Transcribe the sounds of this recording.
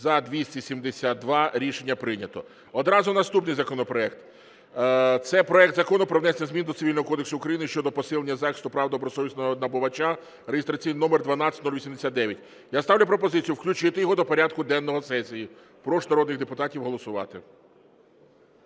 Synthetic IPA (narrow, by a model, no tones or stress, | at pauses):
zɐd̪ʋʲisʲtʲisʲimd̪esʲat̪̚d̪ʋɑɾʲiʃenʲːɐpɾɪnʲɐt̪ɔ | ɔd̪ɾɑzʊnɐst̪upnɪjzɐkɔnɔpɾɔɛkt̪ | t̪sɛpɾɔɛkt̪zɐkɔnʊpɾɔʋnɛsnʲɐzʲmʲind̪ɔt̪sɪilʲnɔɦɔkɔd̪eksʊːkɾɐjinɪʃt͡ʃɔd̪ɔpɔsɪlˠenʲːɐzɑxɪ̥st̪ʊpɾɑʋd̪ɐɔbɾɔsɔʋʲisnɔɔnɐbɔʋɐt͡ʃa | rejɪst̪ɾɐt͡sʲijninɔmerd̪ʋɐnɑtt͡sʲɐtʲnɔlʲʋʲisʲimd̪esʲat̪d̪d̪ɛʋʲjɐtʲ | jast̪ɑwlʲʊp̬ɾɔpɔzɪt͡sʲijʊwklʲʉt͡ʃɪt̪eɪjɔɦɔd̪ɔpɔɾʲad̪kʊd̪ɛnːɔɦɔsɛsʲiji | pɾɔʃnɐɾɔd̪nɪɣd̪epʊt̪ɑtʲiwɦɔlˠɔsʊʋɑ̰t̪ɪ